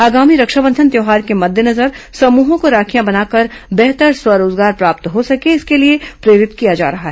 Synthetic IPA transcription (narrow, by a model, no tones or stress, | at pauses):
aːɡaːmiɾɐkʃəbə̃nd̪ʱənt̪jɛːɦaːɾkemɐd̪ʱjənɐzəɾsɐmuːɦõkoɾaːkʰijãbɐnaːkɐɾbɛɦt̪əɾswɐɾoːzɡaːɾpɾaːp̚t̪ɦosɐkeɪskeliepɾeːɾɪt̪kijad͡ʒa̰ːɾɐɦaɦɛ